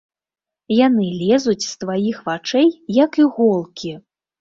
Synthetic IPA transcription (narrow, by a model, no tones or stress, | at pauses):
janɨlʲɛzut͡sʲst̪vajixvat͡ʂɛjjɐkiɣɔlˠkʲi